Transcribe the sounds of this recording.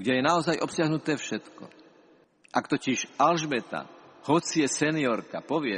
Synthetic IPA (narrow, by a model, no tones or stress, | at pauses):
ɡɟɛjɛnaɔzajʔɔpsɪaɦnut̪ɛːfʃɛt̪kɔ̰ | ʔakt̪ɔciʃalʒbɛt̪a̰hɔt͡siɛsɛniɔɾkapɔʋɪɛ